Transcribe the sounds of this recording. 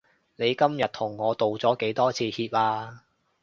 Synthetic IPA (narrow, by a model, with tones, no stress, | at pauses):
ne˨˧jkɐ˥mjɐ˨t̚t̪ʰʊ˨˩ŋːɔː˨˧t̪o˨wt͡sɔː˨˥ke˨˥jt̪ɔː˥t͡sʰiː˨˧hiː˧p̚laː˧